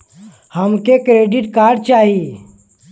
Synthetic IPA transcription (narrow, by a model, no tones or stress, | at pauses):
həmkekɾeːɖiʈkaːɾɖ̚t͡ʃaːɦi